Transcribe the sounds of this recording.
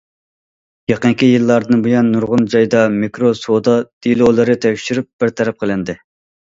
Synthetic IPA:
jɑqəŋkʲijilˠːɑɾd̪ɨnbujɑnːuɾʁʊnd͡ʒɑjd̪ɑmekɾosod̪ɑd̪̥ilˠolˠɨɾɨt̪ʰɛkʲʃyɾyp̚b̥ɪɾt̪ʰɛɾɛp̚qʰəlˠɪnd̪ɪ

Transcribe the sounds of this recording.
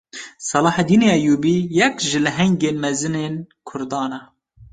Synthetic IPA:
sɑlɑːħd̪iːneʔɛjuːbiːjɛkʒɨlɨɦɛŋɡeːnmɛzɨneːnkʰʊɾd̪ɑːnɛ

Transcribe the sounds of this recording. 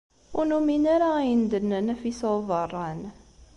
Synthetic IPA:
unuminaɾand̪ənːənæfisəvərˤːɑn

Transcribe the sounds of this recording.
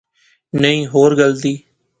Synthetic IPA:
nəĩːɦoːɾɡəld̪iː

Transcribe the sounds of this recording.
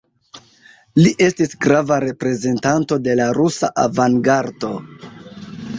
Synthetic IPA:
liʔe̞stisɡɾavaɾe̞pɾe̞ze̞ntanto̞de̞laɾusa̰ʔavaŋɡaɾdo̞

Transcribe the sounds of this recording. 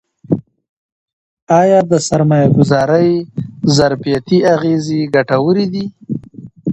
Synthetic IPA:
ɑjɑd̪əsaɾmɑjaɡʊzɑɾəjzaɾfijat̪iaɣezeɡaʈawəɾid̪i

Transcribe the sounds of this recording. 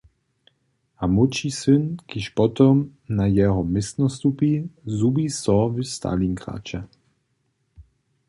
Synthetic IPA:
amut͡ʃisynkiʃpɔt̪ɔmnajɛɦɔmɪst̪nɔst̪upizubisɔvist̪a̰liŋkʁa̰ːt͡ʃɛ

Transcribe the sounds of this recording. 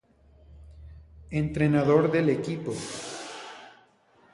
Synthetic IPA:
ent̪ɾe̞naðo̞ɾðele̞kipo

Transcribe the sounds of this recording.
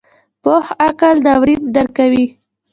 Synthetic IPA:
pohakald̪awɾit̪̚d̪aɾkawi

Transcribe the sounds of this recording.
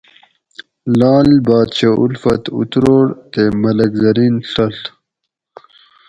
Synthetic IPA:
lɑːlbɑːd̪t͡ɕaʔulfɐt̪ṵt̪ɾoːɽt̪emɐlɐkzɐɾinɬɐɬ

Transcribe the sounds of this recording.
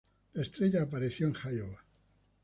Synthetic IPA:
laest̪ɾe̞ʎaːpaɾeθjoeŋxajoβa

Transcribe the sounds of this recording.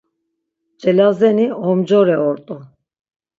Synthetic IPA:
d͡ʒɛlazɛniɔmd͡ʒɔɾɛɔɾt̪ʼu

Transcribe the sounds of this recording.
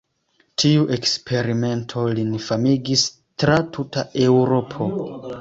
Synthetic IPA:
tʰiuʔe̞kspʰe̞ɾime̞ntʰo̞linifamiɡis | tɾatʰutae̞wɾo̞pʰo̞

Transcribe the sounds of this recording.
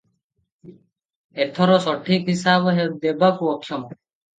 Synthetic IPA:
et̪ʰɔɾɔsɔʈʰikɦisabɔɦed̪ebakuɔkʰːjɔmɔ

